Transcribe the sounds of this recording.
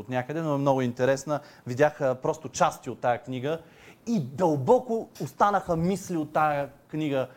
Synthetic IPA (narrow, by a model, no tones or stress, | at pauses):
ot̪nʲjakəd̪ɛnoɛmnɔɡʊint̪ɛɾɛsnə | vidʲjaxəpɾɔst̪ʊt͡ʃast̪iot̪ːajəkniɡə | id̪əlˠbɔkʊost̪anəxəmisliot̪ːajəknʲiɡə